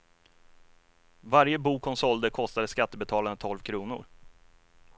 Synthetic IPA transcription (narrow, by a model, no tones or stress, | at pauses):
vaɾjəbuːkʰɔmsɔld̪əkʰɔst̪ad̪əskat̪ːəbɛt̪ʰɑːlaɾət̪ʰɔlvkʰɾuːnʊ̰ɾ